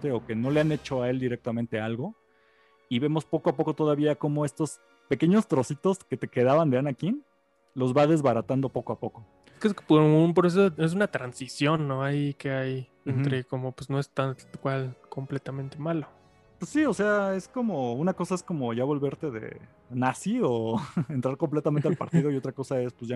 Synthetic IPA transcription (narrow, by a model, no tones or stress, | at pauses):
t̪eo̞ke̞no̞le̞ane̞t͡ʃo̞ae̞ld̪iɾe̞k̚t̪amẽnt̪e̞alɣo̞ | iβe̞mo̞spo̞koapo̞ko̞t̪o̞ðaβiako̞mo̞e̞st̪o̞s | pe̞ke̞ɲo̞st̪ɾo̞sit̪o̞ske̞t̪e̞ke̞ð̞aβand̪eanakin | lo̞zβaðe̞zβaɾat̪and̪o̞po̞koapo̞ko̞ | keespounp̬oɾes̬oes̬unat̪ɾansisjo̞nːo̞ajikeaj | ent̪ɾe̞komopwezno̞est̪akwalko̞mplet̪amẽnt̪e̞malo | pwesːiose̞ae̞sko̞mounako̞sae̞sko̞mo̞ʝaβo̞lβe̞ɾt̪e̞ðe̞̰ | nasioe̞nt̪ɾaɾkomple̞t̪ament̪alpa̰ɾt̪ið̞o̞io̞t̪ɾako̞sae̞spwezʝa